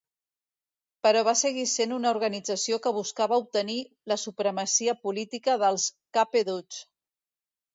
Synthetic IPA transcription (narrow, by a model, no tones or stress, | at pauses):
pəɾɔβ̞asəɣ̞isenunəuɾɣənid͡zəsiokəβuskaβəup̚t̪əni | ləsupɾəməsiəpulit̪ikəðəlˠskapeðut͡s